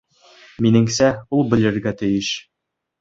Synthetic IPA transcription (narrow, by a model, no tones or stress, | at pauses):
minɘ̆ŋsæulˠbɘ̆lɘ̆ɾɡæt̪ɘ̆jɘʃ